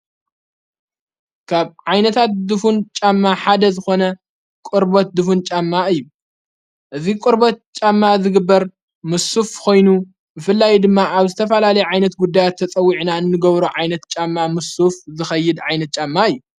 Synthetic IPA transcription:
kʰaβʕajnɐt̪ʰat̪̚d̪ɨfunt͡ʃʼamːaħad̪ɐzɨxo̞nɐ | kʼʊɾbot̪̚d̪ɨfunt͡ʃʼamːaɨjːu | ʔɨzikʼʊɾbot̪̚t͡ʃʼamːazɨɡɨbːɐɾ | mɨsufkʰo̞jnu | bɨfɨlːajd̪ɨmːaʔaβzɨt̪ʰɐfɐlalɐjɛʕajnɐt̪ɡud̪ːajat̪ʰːɐt͡sʼɐwːiʕnaɨnːɨɡɐβɾuʕajnɐt̪t͡ʃʼamːamɨsufzɨxɐjːɪd̪ʕajnɐt̪̚t͡ʃʼamːaɨjːu

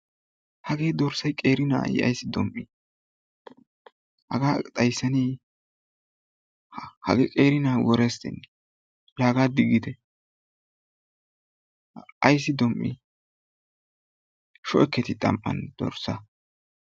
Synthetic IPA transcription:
hɐɡeːd̪ɔɾsɐjkʼe̞ːɾɪna̰ːjɪ̰ɐ̰jsːɪd̪ɔmʔi | hɐ̰ɡaːt̪ʼɐjsːɐni | hhɐ̰ɡɛkʼeːɾɪnaːwɔɾɛst̪ɪ̰nːɛ | laːɡaːd̪ɪɡɪd̪ɛ | ɐjs̬ːɪd̪ɔmʔḭ | ʃɔʔɛkːɛt̪ɪt̪ʼɐ̰mpʼːɐ̰nd̪̥ɔ̰ɾsɐ

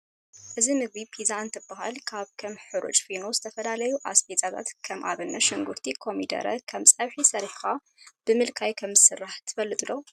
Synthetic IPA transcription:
ʔɨzimɨɡbipʰizant̪ʰɨbːaɦalkʰaβkʰɐmħɨɾṵt͡ʃʼfinozɨt̪ʰɐfɐlalɐjuʔaspʰet͡sʼaɡ̪a̰t̪kʰɐmʔa̰βɨnːɐʃɨŋɡuɾt̪ʰikʰo̞mid̪ɐ̰ɾɐ̰kʰɐmt͡sʼɐβħisɐɾħxa | b̥ɨmɨlkʰajkʰɐmzɨsɨrːaħt̪ʰɨ̥fɐlːɨt̪ʼɨlːo

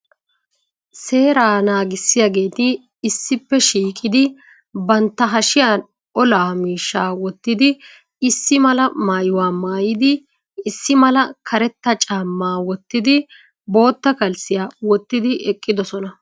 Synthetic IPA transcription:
se̞ːɾaːnaːɡɪsːɪjaːɡe̞ːt̪ɪː | sːɪpːɛʃiːkʼɪd̪ɪ | bɐnt̪ːɐɦɐʃɪjaːn | ɔlaːmiːʃːaːwɔt̪ːɪd̪ɪ | ɪsːɪmɐlɐmaːjʊwaːmaːjɪd̪ɪ | ɪsːɪmɐlɐkʰɐɾɛt̪ːɐt͡ʃʼaːmːaːwɔt̪ːɪd̪ɪ | bo̞ːt̪ːɐkɐlsɪjaːwɔt̪ːɪd̪ɪʔɛkʼːɪd̪ɔsɔnɐ

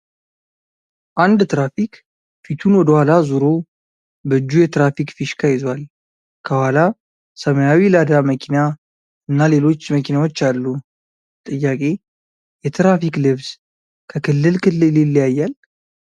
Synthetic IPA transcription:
ʔand̪t̪ɾafik | fit̪ʰunwɔd̪əhʷalazuɾo̞ | bəɨd͡ʒːujɛt̪ɾafikfiʃkʰajɪzwal | kʰəhwala | səməjawilad̪aməkʰina | ɨnːale̞lo̞t͡ʃːməkʰinawo̞t͡ʃːalːu | t̪ʼɨjːakʼe̞ | jɛt̪ʰɾafiklɨβz | kʰəkɨlːɨlkʰɨlːɨlilːjajːal

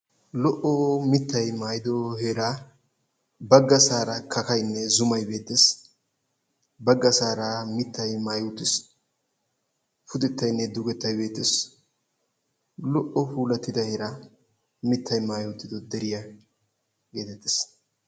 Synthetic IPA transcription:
lɔʔɔmɪt̪ːɐjmaːjɪd̪ɔheːɾa | bɐɡːɐsaːɾɐkʰɐkɐjnːɛzʊmɐjbe̞ːt̪ːes | bɐɡːɐsaːɾamɪt̪ːɐjmaːjowt̪ːɪs | fʊd̪ɛt̪ːɐjnːɛd̪ʊɡɛt̪ːɐjbe̞ːt̪ːɪs | lɔʔɔpuːlɐt̪ːɪd̪ɐheːɾa | mɪt̪ʰːɐjmaːjuwt̪ːɪd̪ɔd̪ɛɾɪja | ɡe̞ːt̪ɛt̪ːes

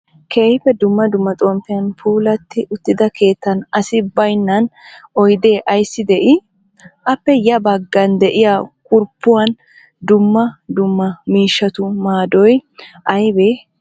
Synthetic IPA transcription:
kʰeːhfɛd̪ʊmːɐd̪ʊmːɐt̪ʼɔmfɪjɐnfuːlɐt̪ːɪʔʊt̪ːɪd̪ɐkʰe̞ːt̪ːɐnɐsɪbɐjnːɐnɔjd̪e̞ːʔɐjsːɪd̪ɛʔɪ | ʔɐpːɛjɐbɐɡːɐnd̪ɛʔɪjakʼʊɾpːʊwɐn | d̪ʊmːɐd̪ʊmːɐmiːʃːɐt̪ʊmaːd̪ɔjʔɐjbe

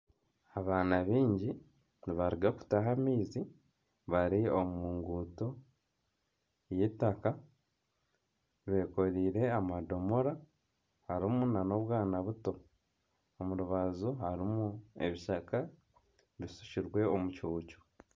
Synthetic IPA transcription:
aβaːnaβiːɲɟi | niβaɾiɡaku̥taɦamiːzi | βaɾiomuːŋɡuto̞ | jetaka | βe̞ːko̞ɾiːɾe̞amado̞mo̞ɾa | haɾimunano̞βwaːnaβuto̞ | omuɾuβazuɦaɾimueβiʃaka | βisu̥ciɾwe̞omucuːco̥

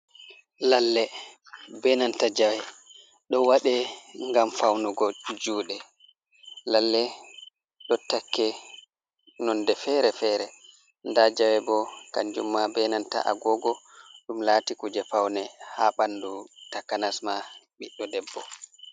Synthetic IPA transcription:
lalːɛ | bɛnantad͡ʒawɛ | ɗɔwaɗɛŋɡamfawnuɡɔd͡ʒuːɗɛ | lalːɛ | ɗɔtakːɛ | nɔndɛfɛɾɛfɛɾɛ | ndad͡ʒawɛbɔkand͡ʒṵmːabɛnanta̰ʔa̰ɡɔɡɔɗumlatikud͡ʒɛpawnɛhaɓanːdutakanasmaɓiɗːɔdɛbːɔ

